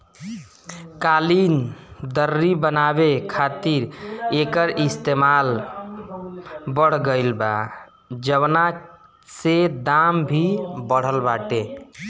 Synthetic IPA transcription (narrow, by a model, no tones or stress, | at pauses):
kalind̪əɾːibənabekʰat̪iɾekəɾʔist̪emal | bəɽ̤ɡəɪlba̰ | d͡ʒəwna | sed̪ambʱibəɽ̤əlbaʈe